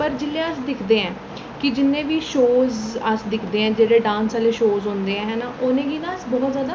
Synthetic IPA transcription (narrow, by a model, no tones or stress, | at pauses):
pəɾd͡ʒɪlẽːəsd̪ɪkʰd̪eːɛ̃ː | kɪd͡ʒɪnːẽːʋiːʃoːzəsd̪ɪkʰd̪eːɛ̃ːd͡ʒeːɽeːɖãːnsaːleːʃoːzɦõːnd̪eːɛ̃ːɦɛːnaːʔoːnẽːɡiːnãːsbɔːt̪zjaːd̪aː